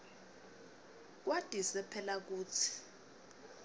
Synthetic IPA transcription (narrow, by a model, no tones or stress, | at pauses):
k̬wad̥ʱisɛpʰɛlak̬uːt͡sʰi̥